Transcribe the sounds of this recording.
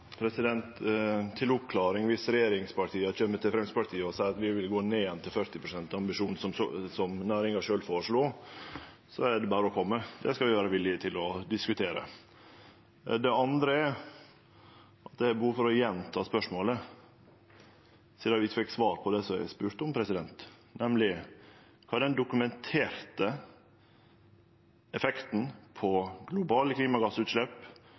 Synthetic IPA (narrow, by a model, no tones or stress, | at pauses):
pʰɾɛsɪd̪ɛnt̪ʰːɪlʊpkʰlɑːɾɪŋʋɪsɾɛjeːɾɪŋspɑʈʰiːəc͡çœmːət̪ʰɪlfɾɛmspɑʈ̪ʰiːəɔsæɪɾɑt̪ʋɪʋɪlɡoːneːɛnt̪ʰɪlfœɾt̪ɪpɾʊsɛnt̪ɑɑmbɪʂuːnn̩sɔsɔmnæːɾɪŋɑʂøːlfoːɾʂɭuː | sɔæɖɛbæːɾəɔkʰɔmːəd̪ɛskɑlʋɪʋæːɾəʋɪlːɪət̪ʰɪlɔd̪ɪskʉt̪ʰeːɾə̰ | d̪ɛɑnd̪ɾəæ | ʔɑt̪̚d̪ɛæɾbəhuːfɔɾɔjɛnt̪ʰɑːspœʂmoːlə | siːd̪ɑʋɪɪt̪ːfɛkːsʋɑːɾpʰɔd̪ɛsɔæ̰ɪspʉːɾt̪əɔmpʰɾɛsɪd̪ɛnt̪nɛmlɪ | kʰɑːɖ̪ɛnd̪ʊkʉmɛnt̪ʰeːɾt̪ə | ɛfɛkt̪n̩pʰɔɡlʊbɑːləkʰliːmɑɡɑsʉːt̪ʂlɛp